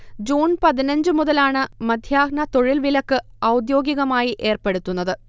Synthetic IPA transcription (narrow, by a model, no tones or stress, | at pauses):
d͡ʑuːnpɐðinɐɲd͡ʑɨmuðɐlaːɳɨmɐd̪ʱjaːɡɳɐt̪o̞ɻilʋilɐkːɨ | ɐwd̪jo̞ːɡjiɣɐmaːjiʔe̞ːrpe̞ɽut̪ːunːɐðɨ